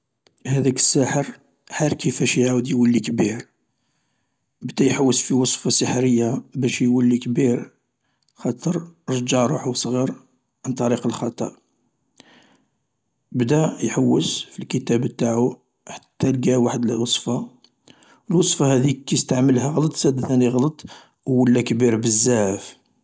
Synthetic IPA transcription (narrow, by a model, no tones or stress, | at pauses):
hæd̪ækə̥sːæħəɾ | ħaɾkəfæʃjʕawd̪jwəlːikbiɾ | bd̪æjħawːəsfiwɑsˤfɑsəħɾəjːabæʃjwəlːikbiɾ | xɑt̪ˤəɾˤɾˤd͡ʒɑʕɾuħwsˤɣiɾ | ʕant̪ˤɑɾiqəlxɑt̪ˤɑ̰ | bd̪æjħawːəsfilkət̪æbt̪aʕu | ħat̪ːælɡæwaħəd̪ləwɑsˤfɑ | əlwɑsˤfɑhæd̪ikːæəst̪aʕməlhæɣlɑt̪ˤsæd̪θæniɣlət̪ˤ | wːəlːækbiɾbəzːaʕf